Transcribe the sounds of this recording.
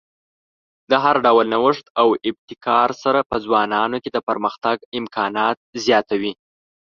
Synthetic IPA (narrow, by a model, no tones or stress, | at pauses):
d̪əɦaɾɖawlnawəʂt̪awɪb̚t̪ɪkʰɑɾsaɾapəd͡zwɑnɑnoked̪əpəɾməxt̪aɡɪmkʰɑnɑt̪̚zjɑt̪awi